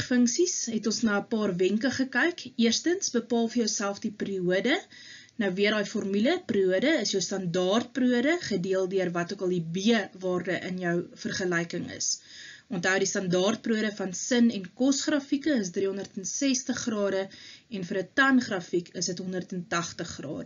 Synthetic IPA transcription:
fəŋksisɦɛtɔnsnɑːəpɑːrvɛŋkəχəkɛjkiərstənsbəpɑːlˠfərjəwsælˠfdipriuədə | nɐwviərɦɑːjfɔrmyləpriuədəəsjəwstɐndɑːrt̚pruədəχədiəlˠdiərvɐtuəkɐlˠdibiəvɑːrdəʔənjœwfərχəlɛjkəŋə̰sʔɔntɦɐwdistɐndɑːrt̚pruəɾəfɐnsənɛnkɔsχrɑfikəəs̬driɦɔndərtənsɛstəχrɑːdəɛnfəɾətɐnχrɐfikʰəsdətɦɔndərtəntɐχtəχrɑ̰ːdə

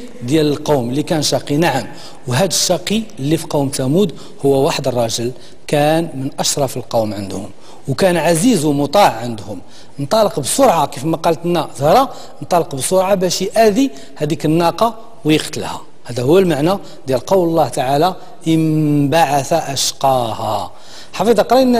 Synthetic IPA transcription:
d̪jæləlqɑwməlːikænʃɑqinaʕəm | wɦæd̪əʃːɑqilːifiqɑwmt̪æmud̪ | hʊwːæwaħəd̪ərˤːɑʒəl | kænmənʔæʃɾˤɑfəlqɑwmʕənd̪hʊm | wkænʕazizwmʊt̪ˤɑʕʕənd̪hʊm | nt̪ˤɑləqbsoɾˤʕɑkifmæqɑlt̪nːæzhɾˤɑ | nt̪ˤɑləqbəsʊɾˤʕɑbæʃjʔæd̪i | hæd̪ikənːɑqɑ | wjəqt̪əlhæ̰ | hæd̪æhʊwːælmaʕnæ | d̪jælqɑwllˤːɑht̪aʕala | əmbaʕaθaʔæʃqɑhæ | ħɑfid̪ˤɑqɾˤɑnː

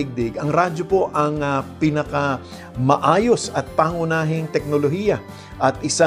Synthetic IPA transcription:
ɪɡ̚d̪ɪɡɐŋɾaːd͡ʒo̞po̞ʔɐŋɐpɪnɐka | mɐʔaːjo̞sɐt̪̚paŋʊnaːɦɪŋt̪ɛk̚nolo̞ɦiːjɐ | ʔɐt̪ʔɪsa

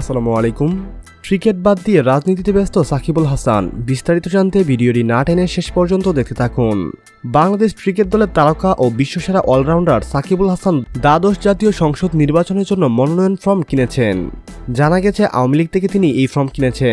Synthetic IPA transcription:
asalamualekum | ʈɾikeʈ̚bad̪ːieɾad͡ʑnit̪̬it̪ebest̪osakʰibulɦasa̰nbist̪aɾit̪od͡ʑant̪ebiɖioʈinaʈeneɾʃeʃpɔɾd͡ʑont̪od̪ek̚ʰt̪e̥t̪ʰakun | baŋlad̪eʃkɾikeʈ̚d̪ɔleɾt̪alokaʔobiʃːoʃeɾaʔɔlɾawɳɖaɾsakʰibulɦasand̪ad̪oʃd͡ʑat̪ijoʃɔŋʃod̪niɾbat͡ɕoneɾd͡ʑonːomɔnonɔjonfɾɔmkinet͡ɕʰen | d͡ʑanaɡɛt͡ɕʰeʔa̰wamilik̚t̪ʰek̬et̪iniejfɾɔmkinet͡ɕʰe

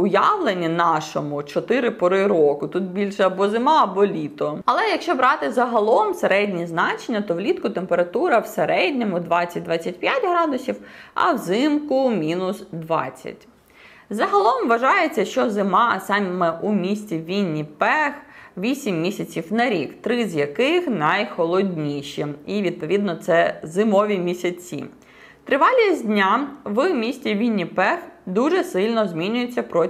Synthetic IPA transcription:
ʊjaʋlˠenʲːinɑʃɔmʊt͡ʃɔt̪ɪɾɪpɔɾɪɾɔkʊt̪ut̪̚bʲilʲʃɛɐbɔzɪmɑɐbɔlʲit̪ɔɐlˠɛjɐkʃt͡ʃɔbɾɑt̪ɪzɐɦɐlˠɔmseɾɛdʲnʲiznɑt͡ʃenʲːɐt̪ɔʋlʲit̪kʊt̪empeɾɐt̪uɾɐwseɾɛdʲnʲɔmʊd̪ʋɑt͡sʲɐt̚ʲd̪ʋɑt͡sʲːɐtʲpʲjatʲɦɾɑd̪ʊsʲiwɐ̰wzɪmkʊmʲinʊsd̪ʋɑ̰t͡sʲːɐ̰tʲ | zɐɦɐlˠɔmʋɐʒɑjet͡sʲːɐʃt͡ʃɔzɪmɑsɑmmɛʔumʲisʲt͡sʲiʋʲinʲːipɛxʋʲisʲimːʲisʲɐt͡sʲiwnɐɾʲikt̪ɾɪzjɐkɪxnɐjxɔlˠɔdʲnʲiʃɛiʋʲid̪̚pɔʋʲid̪nɔt̪sɛzɪmɔʋʲimʲisʲɐt͡sʲḭ | t̪ɾɪʋɑlʲidʲnʲaʋɨmʲisʲtʲiʋʲinʲːipɛxd̪uʒɛsɪlʲnɔzmʲinʲʊjet͡sʲːɐpɾɔ

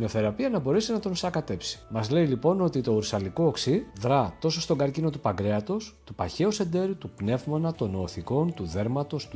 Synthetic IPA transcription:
noθe̞ɾɐpiɐnɐbo̞ɾesinɐt̪o̞nsɐkɐt̪e̞psi̥mɐzle̞ilipo̞no̞t̪it̪o̞uɾsɐliko̞ːksiðɾɐt̪o̞so̞st̪o̞ŋɡɐɾcino̞t̪upɐɡɾe̞ɐt̪o̞st̪upɐçe̞ose̞nd̪e̞ɾut̪upne̞vmɐnɐt̪o̞no̞ːθiko̞nt̪uðe̞ɾmɐt̪o̞st̪u

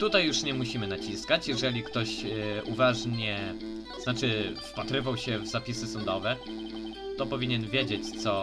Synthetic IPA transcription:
t̪ut̪ajːuʂɲɛmuɕimɘnat͡ɕiskat͡ɕjɛʐɛlʲikt̪ɔɕuvaʐɲɛ | znat͡ʂɘfpat̪ɾɘvawɕɛvzapʲisɘsɔnd̪ɔvɛ | t̪ɔpɔvʲiɲɛnvʲjed͡ʑet͡ɕt̪sɔ

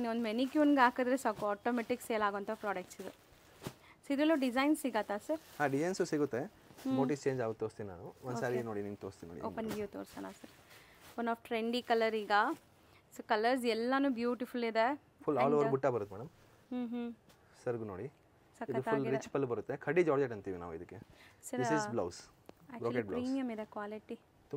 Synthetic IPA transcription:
niond̪menikjuːnɡeaːkɐd̪ɾesaːkuaːʈomeʈikseːlaːɡoɐnt̪ʰɐpɾaːɖɐk̚ʈsid̪u | sid̪ɾɐlːoːɖid͡ʒɐjnsiɡat̪aːsɐɾhaːɖid͡ʒɐjnsusiɡut̪ːe | moːʈist͡ʃeːɲd͡ʒaːɡut̪ːoːst̪inna̰ːnuɔnd̪saːɾienoːɽiniːmt̪oːɾst̪inːo̰ːḭoːpɐnɡjuːt̪oːɾsɐnasɐɾ | ɐnaːfʈɾeɳɖikɐlɐɾiːɡɐ | soːkɐlɐɾs̬ɛlːɐnuːbjuːʈifulid̪e | fʰulːaːloːʋɐɾbuʈːabɐɾut̪ːemɛːɽɐm | ɦɦ | sɐɾɡunoːɽi | sɐkiɐufauːlːɾit͡ʃpɐlbɐɾut̪ːekʰɐɖid͡ʒaːɽd͡ʒeʈɐnt̪iːʋina̰ːʋuid̪ikːesɐɾd̪isizblɐws | akbɾoːkeʈ̚blɐiːnijɐmid̪ekʋaːliʈi | t̪u

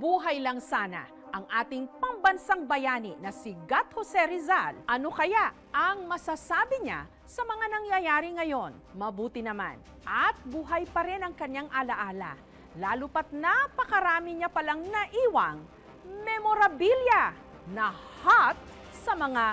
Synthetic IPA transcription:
buːɦɐjlɐŋsaːnɐ̰ | ʔɐŋʔaːt̪ɪŋpɐmbɐnsaŋbɐjaːninɐsɪɡat̪̚hosɛɾɪzalʔɐnokɐja | ʔɐŋmɐsasaːbɪɲa̰ | sɐmɐŋanɐŋjɐjaːɾɪŋɐjo̞nmɐbuːt̪ɪnɐma̰n | ʔɐt̪̚buːɦɐjpɐɾɛnɐŋkɐɲːaŋʔɐlɐʔaːlɐ̰ | laːlʊpɐt̪̚napɐkɐɾaːmɪɲapɐlaŋnɐʔiːwɐŋ | mɛmoɾɐbiljɐ | nɐhat̪̚ | sɐmɐŋa

